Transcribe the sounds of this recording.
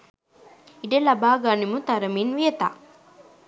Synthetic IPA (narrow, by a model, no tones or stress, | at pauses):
iɖelɐbaːɡanimut̪ɐɾɐminʋijɐt̪a̰